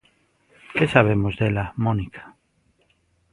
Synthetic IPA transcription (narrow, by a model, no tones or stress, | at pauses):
kesaβemozðelamõnikʰḁ